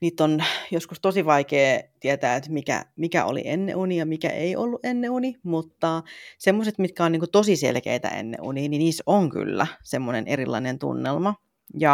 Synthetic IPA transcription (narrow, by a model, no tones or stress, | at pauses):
niːt̪ːonjoskust̪osiʋɑikeːt̪iɛt̪æːet̪mikæ̰mikæ̰ʔo̰lḭʔenːḛʔunijɑmikæ̰ʔeiʔolːuʔʔenːeunimut̪ːɑsemːoset̪mit̪kæonniːŋkut̪osisḛlkḛit̪æ̰ʔḛnːḛṵniːniniːsoŋky̰lːæsemːonenʔeɾilˑːɑinent̪ṵnːelmɑ | jɑ